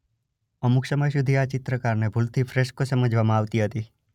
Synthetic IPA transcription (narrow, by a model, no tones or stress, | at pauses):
əmuksəməjsud̪ʱiat͡ʃɪt̪ɾəkaɾnebʱult̪ʰifɾeʃkosəməd͡ʒʱʋamãaʋt̪iɦət̪i